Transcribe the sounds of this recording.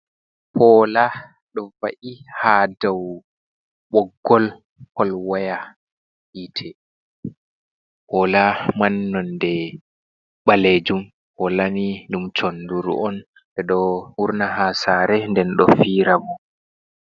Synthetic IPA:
pɔːla | ɗɔva̰ʔihadaw | ɓɔɡːɔl | hɔlwaja | hitʰɛ | pɔːlamanːɔndɛ | ɓaled͡ʒum | hɔlanidumt͡ʃɔnduɾṵɔn | bɛɗɔwuɾnaɦasaɾɛndɛnɗɔfiːɾabɔ

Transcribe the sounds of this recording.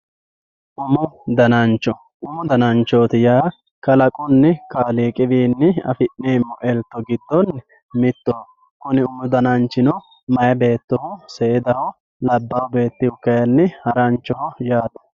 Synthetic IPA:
ʔʊmʊd̪ɐnɐnt͡ʃːɔ | ʔʊmʊd̪ɐnɐnt͡ʃːoːt̪ɪjaː | kɐlɐkʼʊnːɛkaːliːkʼɪbiːnːɪɐ̰fɪʔneːmːɔʔɛlt̪ːɔɡɪd̪ːɔn | mɪt̪ːoː | kʊnɪʊmʊd̪ɐnɐnt͡ʃːɪnɔ | mɐjɐbe̞ːt̪ːɔhʊseːɛd̪ɐhɔ | lɐbːɐwʊbe̞ːt̪ːɪhʊkːɐjɐnːɪhɐɾɐnt͡ʃːɔhɔjaːd̪ɐ̥

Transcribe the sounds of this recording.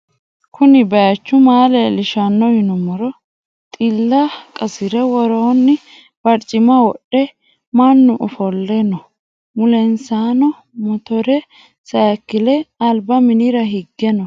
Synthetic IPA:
kʰʊnɪbɐjɐt͡ʃːʊmaːlɛlɪʃanːɔhɪnɔmɔɾɔ | t̪ʼɪlːɐkʼɐsɪɾɛwɔɾonːɪ | b̥ɐɾt͡ʃʼːɪmɐwɔɗɛ | mɐnːʊʔɔfɔlːɛnɔ | mʊlɛnsaːnɔ | mɔt̪ɔɾɛ | sɐɐkːɪlɛɐlbɐmɪnɪɾɐɦɪɡːɛnɔ

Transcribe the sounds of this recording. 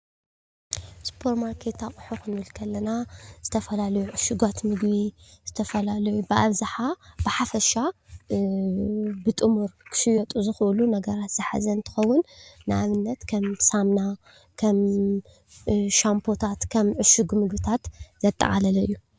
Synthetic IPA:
spʰo̞ɾmaɾkʰe̞t̪ʰakʼɨħoxɨnwɨlkʰɐlːɐnaz̥ɨt̪ʰɐfɐlalɐjuʕʊʃɨɡat̪mɨɡbiz̥ɨt̪ʰɐfɐlalɐjubɨʔaβzaħabɨħafɐʃa | bɨt̪ʼɨmuɾkʰɨ̥ʃɪjɔt̪ʼuzɨxʔɨlunɐɡɐɾat̪z̥ɨħa̰zɐɨnt̪ʰɨ̥xɐwːʊnːɨʔaβɨnːɐt̪kʰɐmsamna | kʰɐm | ʃampʰo̞t̪ʰat̪kʰɐmʕʊʃɨɡmɨɡbɨt̪ʰat̪zɐt̪ʼːɐ̰ʔʼa̰lɐlɐɨjːu

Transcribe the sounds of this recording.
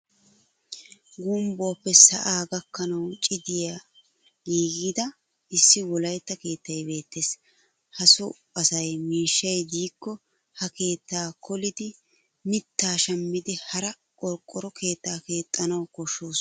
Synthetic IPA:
ɡumboːpːɛsɐʔaːɡɐkːɐnɐwt͡ʃʼɪd̪ɪja | ɡiːɡɪd̪ɐ | ɪsːɪwɔlɐjt̪ːɐke̞ːt̪ːɐjbe̞ːt̪ːeːs | hɐsʊ | ɐsɐjmiːʃːɐjd̪iːkːɔ | hɐke̞ːt̪ːaːkʰɔlɪd̪ɪ | mɪt̪ːaːʃɐmːɪd̪ɪhɐɾɐ | kʼɔɾkʼːɔɾɔkʰe̞ːt̪ːaːke̞ːt̪ʼːɐnɐwkɔʃːoːs

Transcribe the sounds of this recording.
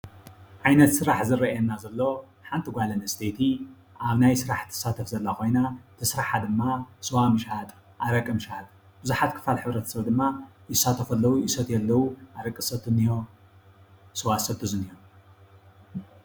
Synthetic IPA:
ʕajnɐt̪sɨɾaħzɨrɐʔɛnːazɐlːo̞ | ħant̪ʰiɡʷalɐnɐst̪ʰet̪ʰi | ʔaβnajsɨɾaħt̪ʰɨ̥sːat̪ʰɐfzɐlːakʰo̞jnat̪ʰɨsɾaħad̪ɨmːasɨwamɨʃat̪ʼ | ʔaɾɐkʼːɨmɨʃat̪ʼ | bɨzuħat̪̚kʰɨ̥falħɨβɾɐt̪ʰɐ̥sɐβd̪ɨmːajɪsat̪ʰɐfɐlːɐwuʔisɐt̪jɛlːɐwuʔaɾɐkʼɨsɐt̪ʰɨnijo | sɨwasɐt̪ʰuzɨnijo

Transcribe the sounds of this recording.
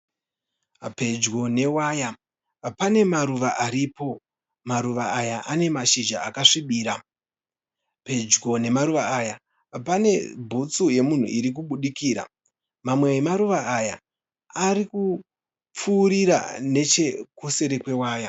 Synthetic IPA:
pe̞d͡ʒɡo̞ne̞waːja | pane̞maɾuʋaʔaɾipo̞ | maɾuʋaːjaʔane̞maʃid͡ʒa̰ːkaʂiɓiːɾa | pe̞d͡ʒɡo̞ne̞maɾuʋaaja | pane̞bʱut͡suje̞mun̤ṵʔiɾik̬uɓuɗikiːɾa̰ | mamwe̞emaɾuʋaːja̰ | aɾiku | p͡fuːɾiɾa̰ne̞t͡ʃe̞kuse̞ɾe̞kwe̞waːja

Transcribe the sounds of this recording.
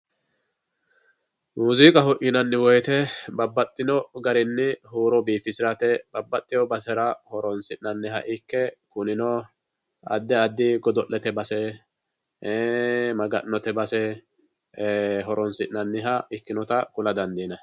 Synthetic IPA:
muziːkʼɐhɔʔɪnɐnːɪwɔjt̪ɛbɐbːɐt̪ʼːɪnɔɡɐɾɪnːɪɦuːɾɔbiːfɪsɪɾɐt̪ɛb̥ɐbːɐt̪ʼːɪjɔbɐsɛɾɐhɔɾɔnsɪʔnɐnːɪɦɐ̰ʔɪkːɛkʊnɪnɔ | ɐ̰d̪ːɛɐd̪ːɪɡɔd̪ɔʔːɛt̪ɛbɐsɛ | mɐɡɐʔnːɔt̪ɛbɐsɛ | ɦɔɾɔnsɪʔnɐnːɪɦɐɪkːɪnɔt̪ɐkʊlɐd̪ɐnd̪iːnɐ

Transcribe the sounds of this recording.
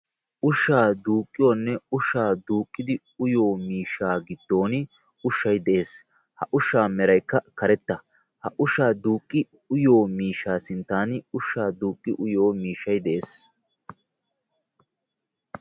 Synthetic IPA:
ʔʊʃːaːd̪uːkʼːɪjo̞ːnːɛʊʃːaːd̪uːkʼːɪd̪ɪ | ʊjo̞ːmiːʃːaːɡɪd̪ːo̞ːnɪ | ʊʃːɐjd̪ɛʔe̞ːs | hɐʔʊʃːaːmɛɾɐjkːɐkɐɾɛt̪ːɐ | hɐʔʊʃaːd̪uːkʼːɪ | ʊjo̞ːmiːʃaːsɪnt̪ːaːnʊʃːaːd̪uːkʼːɪʔʊjo̞ːmiːʃːɐjd̪ɛʔeːs

